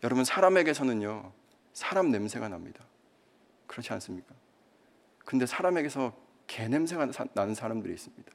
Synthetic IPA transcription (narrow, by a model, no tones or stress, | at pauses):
jʌɾʌbunsʰaɾame̞ɡe̞sʰʌnɯɲjo | sʰaɾamne̞msʰe̞ɡanamɲid̥a | kɯɾʌt͡ɕʰia̰ns͈ɯmɲik͈a | kɯnde̞sʰaɾame̞ɡe̞sʰʌ | ke̞ne̞msʰe̞ŋananɯnsʰaɾamdɯɾḭis͈ɯmɲid̥ḁ